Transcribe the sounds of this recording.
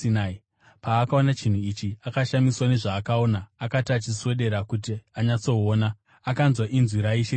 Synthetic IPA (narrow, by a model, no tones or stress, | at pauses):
inai | paːkao̞nat͡ʃin̤uit͡ʃiakaʃamiswane̞ʐaːkao̞ːnaːkatiat͡ʃiswe̞ɗe̞ɾakut̬iaɲat͡so̞oːnaː | kanzwaʔinzwiɾaiʃe